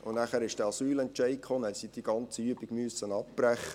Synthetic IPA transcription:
ʊnæχæːɾɪʃd̥ɛɑsyːlɛntt͡ʃɛɪkχɔːnæsid̥̪iɡ̥ɑnt͡səyəbɪɡmyəsːənɑpb̥ɾæχə

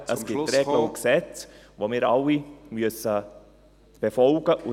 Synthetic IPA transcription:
əsɡ̥ɪtːɛəʊnksɛt͡svomɪːɾɑlimyøsə | b̥efɔlɡ̥əʔu

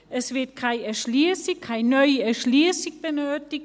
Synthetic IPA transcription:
ʔɛsv̥ɪɐt̚kʰaɪnɛɐʃliːsɪkʰːaɪnnːœʏəɛɐʃliːsɪçb̥ənøːtɪk

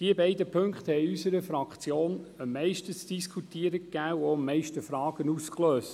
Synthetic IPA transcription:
d̥iəbɛɪdəpʰɵŋkχt̪hɛɪysəɾəfɾɑkt͡sjoːnəmːɛɪʃtət͡sd̥iskʰut̪iəɾəkːæːwoəmːɛɪʃtəfɾɑːɡ̥ənuːskløːst

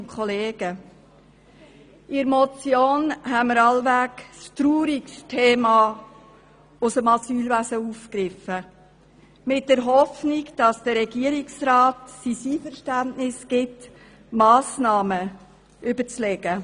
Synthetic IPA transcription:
kʰχɔleːɡ̥ə | ɪɾmɔt͡sjoːnɦɛməɾɑlʋækstɾuːɾikstʰeːmɑ | ʊsəmɑsyːlʋæsəufkɾɪfə | mɪt̚d̥ɛɾɦɔfnikd̥ɑsd̥əɾɛɡiəɾiksɾɑːtsisiːfəɾʃtæntnɪsɡ̥ɪt | mɑːsnɑːmə | ʔʏbət͡slɛɡ̥ə

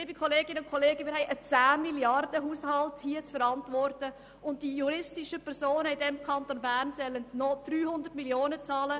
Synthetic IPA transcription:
ɪbikʰɔleːɡɪnəʊnkʰɔleːɡəmɪːɾhɦɛɪʔət͡sæːmiljɑrd̥əɦuːshɑlthiət͡sfəɾɑntʋɔrtə | ʊnt̚d̥ijuɾɪstɪʃəpʰɛɾsoːnəɪdɛmkʰɑntonbærnsɛlənnɔd̥ɾyːhʊndətmiljoːnət͡sɑːlə

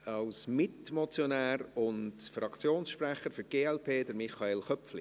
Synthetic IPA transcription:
ɑwsmɪtmot͡sjonɛːɾʊntfrɑkt͡sjoːnsʃprɛχəɾfʏɾɡ̥eːɛlpʰeːdəɾmɪχɑeːlχœpfli

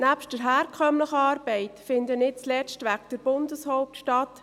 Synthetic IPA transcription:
næpʃtd̥əɾɦæːɾkʰœmləχəɑːɾb̥ɛɪtfɪndənɪtt͡slɛt͡stʋækd̥əɾb̥ʊndəshɔʊp̚tʃtɑt

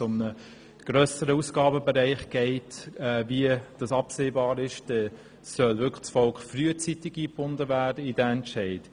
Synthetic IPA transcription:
ʊmnə | ɡ̥ɾœːsəɾəusɡ̥ɑːbəbəɾɛɪχɡ̥ɛɪtɛːviəd̥ɑsɑpseːbɑːɾɪʃd̥ɛ | sœlvʏkt͡sfɔlkχfryət͡sitɪɡiːb̥ʊndəvæːdəidæɛntʃɛɪt

